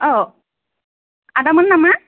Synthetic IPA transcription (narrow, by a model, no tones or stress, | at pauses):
oː | ɐðɐmːɐnnɐmːɐ